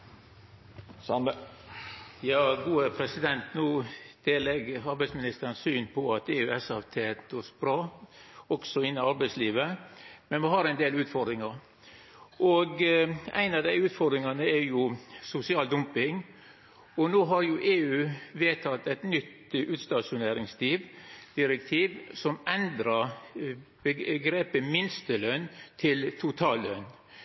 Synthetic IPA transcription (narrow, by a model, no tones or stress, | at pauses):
jɑːɡuːəpʰɾɛsɪd̪ɛnt̪nuːd̪̥eːlɛɡəɑɾbæɪsmɪnɪst̪əɾənsyːnpʰɔɑt̪eːʉːɛsɑʋt̪ʰeːt̪ɔsb̥ɾɑːɔksɔɪnːɪɑɾbæɪsliːʋəmɛnmɪɦɑɾæɪnd̪eːlʉːt̪fɔɾd̪ɾɪŋɑɾ | ʔɔɡæ̰ɪnɑʋd̪æɪʉːt̪fɔɾd̪ɾɪŋɑnəɛɾjʊsʊsɪɑːld̪ʊmpɪŋ | ɔnoːɦɑɾjʊʔeːʉːʋeːt̪ʰɑt̪ːɛɪt̪nʏt̪ | ʉːt̪st̪ɑʂʊneːɾɪŋst̪ʰiːʋd̪̥ɪɾɛkt̪ʰiːʋsɔmɛnd̪ɾɑ | bəɡɾeːpəmɪnst̪əlœnt̪ʰɪlt̪ʰʊt̪ʰɑːlːœ̰n